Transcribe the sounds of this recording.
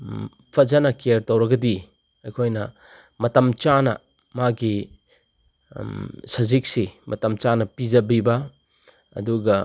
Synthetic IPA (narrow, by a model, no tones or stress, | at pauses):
pʰɐzɐnɐkeɾtowɾɐɡɐdi | ɐjkʰojnɐ̰ | mɐtɐmt͡ʃanɐ̰ | maɡi | sɐzik̚simʔɐtɐmt͡ʃanɐpid͡ʒɐbibɐ | ɐ̰duɡɐ